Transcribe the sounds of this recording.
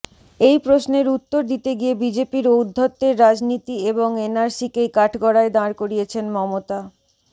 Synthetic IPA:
ejpɾosneɾut̪ːoɾd̪it̪eɡiebid͡ʑepiɾoud̪ʱːot̪ːeɾːad͡ʑnit̪ieboŋenaɾsikejkaʈʰɡɔɽaed̪ãɾkoɾijet͡ɕʰenmɔmot̪a

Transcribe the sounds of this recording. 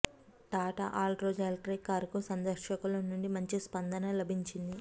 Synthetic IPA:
ʈaːʈɐ̰ʔaːlʈɾoːd͡ʒaːlʈɾikaːɾkusɐnd̪ɐɾʂɐkulɐnuɳɖimɐɲt͡ʃispɐnd̪ɐnɐlɐbʱiɲt͡ʃind̪i

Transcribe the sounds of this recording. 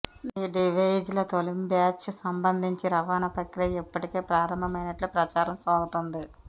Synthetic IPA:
iːɖiʋɐjd͡ʒlɐt̪olimbjaːt͡ʃsɐmbɐnd̪ʱiɲt͡ʃiɾɐʋaːnɐpɐkɾɐipːɐʈike̞ːpɾaːɾɐmbʱɐmɐjnɐʈlupɾɐt͡ʃaːɾɐmsaːɡɐt̪ond̪i

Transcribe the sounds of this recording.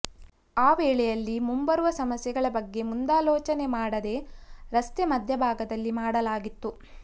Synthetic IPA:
aːʋɛːɭɛjɐlːimumbɐɾuʋɐsɐmɐsjɐɡɐɭɐbɐɡːe̞mund̪aːlɔːt͡ʃɐne̞maːɽɐd̪e̞ɾɐst̪emɐd̪ʱjɐbʱaːɡɐd̪ɐlːimaːɽɐlaːɡit̪ːu

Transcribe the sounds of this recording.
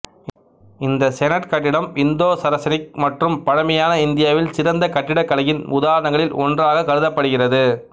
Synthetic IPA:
ɪnd̪ɐsɛnɐʈkɐʈːɪɽɐmɪnd̪oːsɐɾɐsɐnɪk̚mɐʈrɯmpɐɻɐmɐjaːnɐɪnd̪ɪjaːʋɪlsɪɾɐnd̪ɐkɐʈːɪɽɐkːɐlɐjɪnʊðaːɾɐɳɐŋɡɐɭɪlɔndraːɣɐkɐɻɯðɐpːɐɽɯɣɪrɐðɯ

